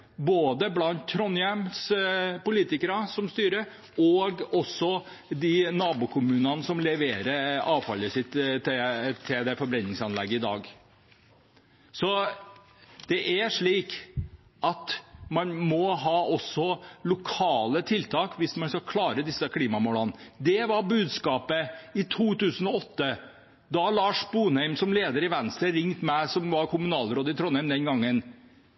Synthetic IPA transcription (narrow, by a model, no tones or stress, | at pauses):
boːd̪əblɑnt̪ʰːɾɔnjɛmspʊliːt̪ɪkəɾɑsɔmst̪yːɾə | ɔɡɔsːɔ | d̪ɪnɑːbʊkʰʊmʉːnɑnəsɔmlɛʋeːɾəɑːʋfɑləsɪt̪t̪t̪ʰːɪld̪ɛfɔɾbɾɛnːɪŋsɑnlɛɡːəɪd̪ɑ̰ːɡ | sɔ | d̪̥ɛʔæʂɭiːk | ɑt̪mɑnmɔɦɑːʔɔsɔlʊkʰɑːlət̪ʰɪlt̪ʰɑːkʋɪsmɑnskɑkʰlɑːɾəd̪ɪsːəkʰliːmɑmoːlɑnd̪ɛʋɑɾbʉːd̪skɑːpəɪt̪ʰuːt̪ʉːsən̩ɔɔt̪ːə | d̪ɑlɑːʂbuːnhæɪmsɔmleːd̪əɾɪʋænst̪ɾəɾɪŋt̪mɛsɔmʋɑɾkʰʊmʉnɑːlɾoːd̪əɪt̪ʰɾɔnhæɪmd̪ɛnɡɑŋːən